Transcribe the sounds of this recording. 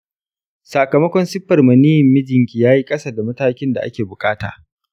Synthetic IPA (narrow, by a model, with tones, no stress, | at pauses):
sa˨kɐ˨mɐ˦kʷɔ˦nsɪ˦ɸːɐ˨rmɐ˨ni˦jɪ˨mːɪ˦d͡ʒɪ˨ŋkʲiː˨jaː˦ji˦kʼɐ˦saː˨da˨mɐ˦taː˦kʲɪ˦nda̰˨ʔa̰˦kʲeː˨bʊ˨kʼaː˦ta̰ː˨